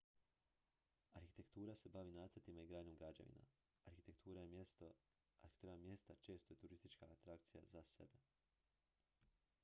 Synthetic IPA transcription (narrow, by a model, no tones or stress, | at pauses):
aɾxit̪e̞kt̪uːɾase̞baʋinaːt̪sɾt̪imaiɡɾaːɲomɡɾad͡ʑa̰ʋḭna̰ | aɾxit̪e̞kt̪ʰuːɾajest̪o | aɾi̥t̪uɾamje̞st̪at͡ʃe̞ːst̪ojet̪uɾist̪it͡ʃkaːt̪ɾakt̪sija̰zasḛbe̞